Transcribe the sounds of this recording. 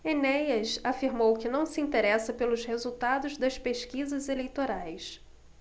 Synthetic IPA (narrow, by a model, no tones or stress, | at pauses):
enɛjɐʃafiɾmowkɪnɐ̃w̃sɪĩnt̪eɾɛsɐpelʊzhezuwt̪ad̪ʊʒd̪ɐʃpeʃkizɐzelejt̪oɾajs